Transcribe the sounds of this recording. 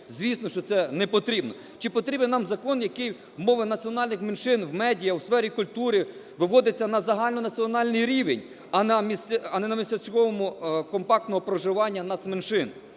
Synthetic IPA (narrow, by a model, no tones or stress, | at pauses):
zʲʋʲisnɔʃt͡ʃɔt̪sɛnɛpɔt̪ɾʲibnɔ | t͡ʃɪpɔt̪ɾʲibɪnnɑmzɐkɔnjɐkɪj | mɔʋɪnɐt͡sʲiɔnɑlʲnɪxmenʃɪnwmɛdʲijɐwsfɛɾʲikʊlʲt̪uɾɪ | ʋɪʋɔd̪ɪt͡sʲːɐnɐzɐɦɑlʲnɔnɐt͡sʲiɔnɑlʲnɪjɾʲiʋḛnʲ | ɐnɐmʲisɐnɛnɐmʲisɐt͡sʲkɔʋɔmʊkɔmpɑkt̪nɔɦɔpɾɔʒɪʋɑnʲːɐnɐt̪smenʃɪn